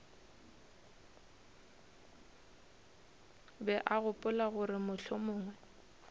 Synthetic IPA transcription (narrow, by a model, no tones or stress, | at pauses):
bɛʔaɣʊpʼʊlaɣʊrɪmʊɬʰʊmʊːŋwɛ